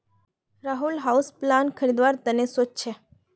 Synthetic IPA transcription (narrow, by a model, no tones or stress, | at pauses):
ɾaɦulɦausplankʰəɾid̪ʋaɾt̪ənesot͡ʃt͡ʃʰe